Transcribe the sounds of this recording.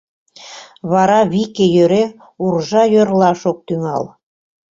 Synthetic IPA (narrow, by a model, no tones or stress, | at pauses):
βɑɾɑβikejøɾe | urʒɑjørlɑʃok̚t̪yŋɑ̰l